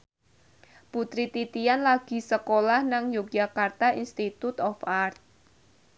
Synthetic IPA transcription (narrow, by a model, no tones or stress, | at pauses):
put̪ɾit̪it̪ijanlaɡ̥i̤səkolahnaŋjok̚dd͡ʒakart̪aʔinst̪it̪ut̪ɔfart̪̚